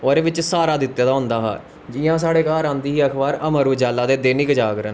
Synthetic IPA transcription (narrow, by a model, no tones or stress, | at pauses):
oːɾeːʋɪt͡ʃsaːɾaːd̪ɪt̪ːjaːd̪aːɦʊ̃nd̪aːɦa̰ː | d͡ʒijãːs̬aːɽeːkaːɾãːnd̪iːɦiːəkʰbaːɾəməɾuːd͡ʒaːlːaːd̪eːd̪eːnikd͡ʒaːkɾən